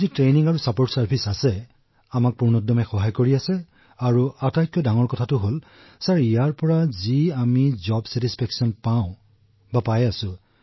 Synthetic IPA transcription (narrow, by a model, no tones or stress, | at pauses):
zitɹejniŋaɹusapoɹtsaɹpʰisasɛ | amak̚puɹnɔdɔmɛxɔɦajkoɹiasɛ | aɹuatajkjɔdaŋɔɹkɔtʰatʊɦol | saɹijaɹpɔɹaziamizɔbsɛtispʰɛksɔnpaʊ̃ | bapajasʊ̃